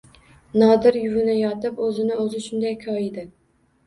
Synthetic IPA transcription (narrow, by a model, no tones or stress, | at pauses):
nɑːd̪ɨɾjyvɪnɛjɑt̪ɨpøzɪnɪøzɪʃund̪ɛjkʲʰɑid̪ɪ